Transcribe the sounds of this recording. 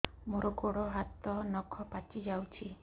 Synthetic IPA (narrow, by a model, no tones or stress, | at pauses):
moɾɔɡoɽɔɦat̪ɔnɔkʰɔpat͡ʃid͡ʒawt͡ʃʰi